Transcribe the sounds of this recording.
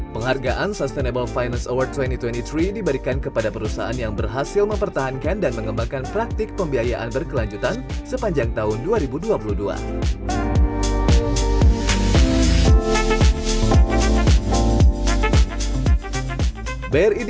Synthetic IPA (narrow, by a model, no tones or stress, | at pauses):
pəŋharɡaʔansɔst̪enebəlfajnansowar̚t̪wɛnt̪it̪wɛnt̪it̪ɾidibəɾikankəpadapəɾusa̰anjaŋbərɦasɪlməmpərt̪aɦankandanməŋəmbaŋkanpɾak̚t̪ɪk̚pəmbiɦajaʔanbərkəlaɲd͡ʒut̪ansəpaɲd͡ʒaŋt̪aɦʊnduaɾibuduapuludua̰ | barid